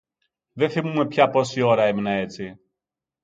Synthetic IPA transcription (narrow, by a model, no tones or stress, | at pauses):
ðɛθimumɛpçapɔsiɔɾaɛminaɛt͡si